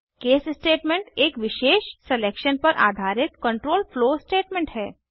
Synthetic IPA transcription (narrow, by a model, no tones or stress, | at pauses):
keːssʈeːʈmẽɳʈeːkʋɪʃeːʃsɛleːkʃənpɐɾʔa̰ːd̪ʱaːɾɪt̪̚kə̃ɳʈɾoːlfloːsʈeːʈmẽɳʈɦɛː